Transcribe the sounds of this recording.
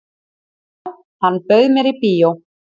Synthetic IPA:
θanːpœɥðmjɛɾipiːjow

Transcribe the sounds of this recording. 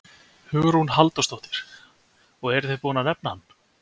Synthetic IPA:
hʏːɣʏɾ̥hunɦalt̪ɔst̪ɔwht̪ɪ̥ɾ̥ | ɔɣɛɾθejpɔːnanɛp̚nahanː

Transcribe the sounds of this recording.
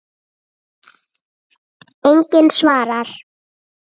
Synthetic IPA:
ejɲcɪnsvaːɾaɾ̥

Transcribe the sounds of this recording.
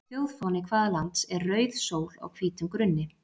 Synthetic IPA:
fjowðfɔnɪkʰvaːðalant̪sɛɾrœːɥðsoːwla̰wkʰviːt̪ʏmkɾʏnːɪ

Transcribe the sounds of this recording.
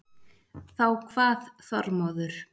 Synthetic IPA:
θawkʰvaːðθɔɾmɔðʏɾ̥

